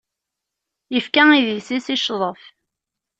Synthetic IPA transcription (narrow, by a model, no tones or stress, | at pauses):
jəfkæiðisisiʃðˤəf